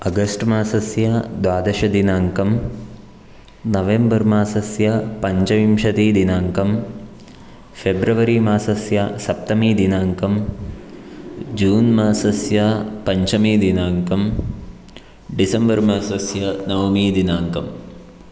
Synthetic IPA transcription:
ɐɡɐsʈmaːsɐsjɐd̪ʋaːd̪ɐʃɐd̪inaːŋkɐm | nɐʋembɐɾmaːsɐsjɐpɐɲt͡ʃɐʋimʃɐt̪iːd̪inaːŋkɐm | febɾɐʋɐɾimaːsɐsjɐsɐp̚t̪ɐmiːd̪inaːŋkɐm | d͡ʒuːnmaːsɐsjɐpɐɲt͡ʃɐmiːd̪inaːŋkɐm | ɖisɐmbɐɾmaːsɐsjɐnɐʋmiːd̪inaːŋkɐm

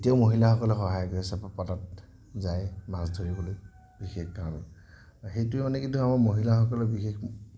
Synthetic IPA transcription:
etiaʊmoɦilaxɔkɔlɔxɔɦajɔɡɔɛsapɔpatat̚ | zajmasdʱoɹiboloj | b̥ixexkaɔn | xejtʊɛmanɛkintʰuamaɹmoɦilaxɔkɔlɔbixex

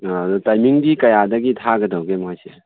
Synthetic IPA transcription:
tajmiŋdikɐjad̪aɡitʰaɡɐdawɡemajse

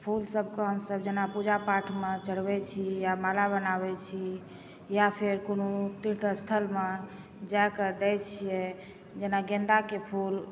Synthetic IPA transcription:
pʰulsəb̚ʱkeɦəmsəbd͡ʒenapud͡ʒapaʈʰmet͡ʃəɽ̤bɛt͡ʃʰijamalaβənaβɛt͡ʃʰi | japʰeɾkonot̪iɾt̪ʰəst̪ʰəlme | d͡ʒajkəd̪ɛjt͡ʃʰijɛ | d͡ʒenaɡẽnd̪akepʰul

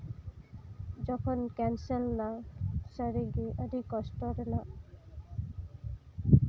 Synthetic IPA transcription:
d͡ʑɔkʰonkɛnselnaʃaɾiɡiʔad̪ikɔʃʈoɾna

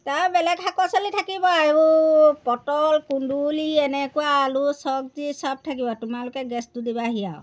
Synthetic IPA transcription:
taɹbɛlɛkhakɔsɔlitʰakibɔajupɔtɔlkunduliɛnɛkuaːlusɔk̚tisab̚tʰakibɔtʊmalʊkɛɡɛstudibaɦijaw

